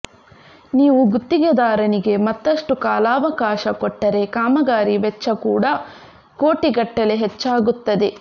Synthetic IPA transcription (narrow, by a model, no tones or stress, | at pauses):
niːʋuɡut̪ːiɡɐd̪aːɾɐniɡe̞mɐt̪ːɐʂʈukaːlaːʋɐkaːʃɐkɔʈːɐɾe̞kaːmɐɡaːɾiʋɛt͡ʃːɐkuːɽɐ | koːʈiɡɐʈːɐleɦet͡ʃːaːɡut̪ːɐd̪e̞